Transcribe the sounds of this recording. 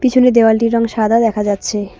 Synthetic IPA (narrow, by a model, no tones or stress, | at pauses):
pit͡ɕʰuned̪ewalʈiɾɔŋʃad̪ʱad̪ɛkʰad͡ʑatːɕʰe